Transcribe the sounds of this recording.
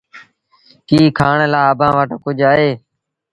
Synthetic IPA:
kiːkʰaːɳlaːəbãːʋaːʈːkʊd͡ʒʱaːɦeː

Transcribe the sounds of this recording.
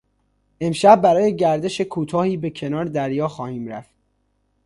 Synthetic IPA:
ʔe̞mʃæb̚ːæɾɒːje̞ɟæɾd̪e̞ʃe̞kʰuːt̪ʰɒːhiːbe̞cʰe̞nɒːɾed̪æɾjɒːxɒːhiːmɾæ̰ft̪̚

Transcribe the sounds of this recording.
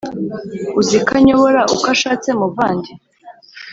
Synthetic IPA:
uzikaɲo̞βoɾaʔukaʃaːt͡semubvaːndi

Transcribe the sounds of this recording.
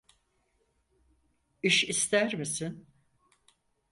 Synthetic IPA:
iʃist̪ʰæɾmisin

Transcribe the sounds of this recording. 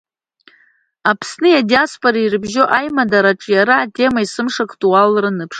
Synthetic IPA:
apʰsnɨjadiaspʼoɾairɨbʒo̞ʔajmadaɾaʈ͡ʂʼjaɾaːtʰʼe̞maisɨmʂakʰʼtʼualrɨnɨpʰʂ

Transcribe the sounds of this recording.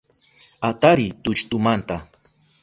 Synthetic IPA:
at̪aɾɪt̪ʊt͡ʃt̪ʊmant̪a

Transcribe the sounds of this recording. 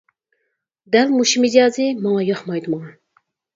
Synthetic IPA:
d̪ɛlmuʃimizɑːzɨmɑŋɑjɑχmɑjd̪ɨmɑŋɑn

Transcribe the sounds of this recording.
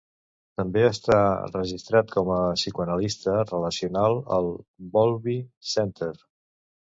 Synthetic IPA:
t̪əmbeəst̪arəʒist̪ɾat̪kɔməsikuənəlist̪ərələsiunalˠə̰lˠbɔlˠβisɛnt̪əɾ

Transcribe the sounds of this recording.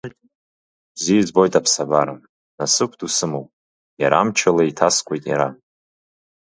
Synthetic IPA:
b̥zid͡zbo̞jtʼapʰsabaɾɨm | nasɨkʷʰdusɨmowpʼ | jaɾamt͡ʃʰalaitʰaskʷʼejtʼja̰ɾa

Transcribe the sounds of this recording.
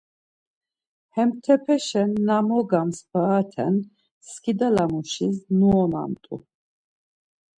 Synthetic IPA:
hɛmt̪ʰɛpʰɛʃɛnːamɔɡamsb̥aːt̪ʰɛ̰n | skʰid̪alamuʃisnuɔna̰mt̪ʼṵ

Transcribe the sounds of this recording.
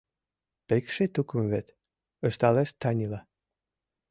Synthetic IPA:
pekʃet̪ukə̆mvet̪ | ə̆ʃt̪ɑleʃt̪ɑnʲilɑ

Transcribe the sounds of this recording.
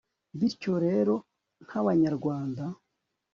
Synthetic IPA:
βiɾco̞ɾe̞ːɾo̞ | n̥haβaɲaɾɡwaːnda

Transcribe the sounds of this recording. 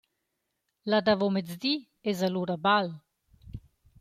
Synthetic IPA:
lad̪avomet͡sd̪i | ezaluɾabal

